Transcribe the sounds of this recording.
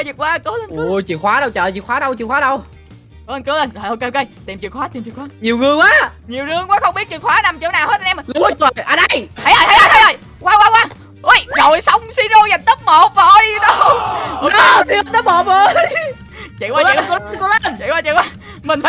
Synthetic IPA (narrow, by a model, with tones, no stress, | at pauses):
t͡ɕi˨˩ək̚kwaː˧kɨ˨˦le˧nʔu˧˩t͡ɕḭ˧˨xwaː˨˦ɗə˧wt͡ɕə̰ː˧˨t͡ɕḭ˧˨kxwaː˨˦˥ɗə˧wt͡ɕḭ˧˨ŋxwaː˨˦ɗə˧w | kɨ˨˦le˧nkɨ˨˦le˧nzo˨˩ʔo˧ke˧ʔke˧jt̪i˨˩mt͡ɕi˨˩kxwaː˨˦t̪i˨˩mt͡ɕi˨˩kxwaː˨˦ɲi˨˩əwŋɨ˧əŋkwaː˨˦ɲi˨˩wzɨ˧əŋkwaː˨˦xə˧wŋ͡mɓi˦˥t̚t͡ɕi˨˩əkxwaː˨˦na˧mt͡ɕi˧˨˦wnaː˨˩whə˦˥ə˧˩ʔɛ˧m˨˩lu˦˥ə˧˦t̪wəː˨˩jʔa˧nʔə˧˩jha˧˩jʔəː˨˩jh̪ə˧jʔə˧˨˩jt̪ə˧jʔə˨˩j | kwaː˨˦˥kwaː˧kwaː˧ | ʔu˧jno˨jsə˧wŋ͡msi˧zo˧za˨˩nt̪ə˦˥t̚mo˨˩vo˨˩jɗə˧˦wo˨˧˦t̪i˧˩ət̪ə˦˥p̚mo˧˨˩və˨˩j | t͡ɕḭ˧˨kwaː˧˦i˨˧kːt͡ɕḭ˧˨waː˧˩t͡ɕḭ˧˨kwaː˨˦ | mï˨˩ŋ̟faː˧